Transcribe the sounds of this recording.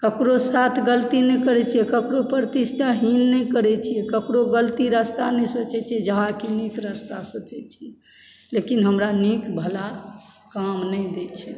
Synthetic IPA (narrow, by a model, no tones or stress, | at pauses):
kəkɾosat̪ʰɡəlt̪inɛkəɾɛt͡ʃʰijɛkəkɾopəɾt̪ist̪ʰaɦinːɛjkəɾɛt͡ʃʰijɛkəkɾoɡəlt̪iɾəst̪anɛjsət͡ʃɛt͡ʃʰiɛd͡ʒəɦakinikɾəst̪asət͡ʃɛt͡ʃʰiɛ | lekinɦəmɾanikbʱəla | kamnəjd̪et͡ʃʰɛ